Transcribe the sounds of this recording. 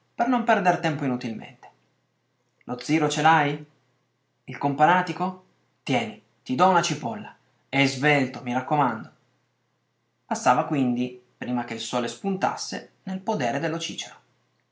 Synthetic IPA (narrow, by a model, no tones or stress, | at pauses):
pernompɛrd̪ert̪ɛmpoinut̪ilmḛnt̪e̥ | lʔod̪zːiːɾot͡ʃelaj | ilkompanaːt̪iko | t̪jɛːni | t̪id̪ɔunat͡ʃipɔlːa | ezvelt̪omiɾakːomand̪o | pasːaːvakwind̪ipɾiːmak̟eilsɔːlespunt̪a̰sːenelpod̪ɛːɾed̪elːot͡ʃiːt͡ʃeɾa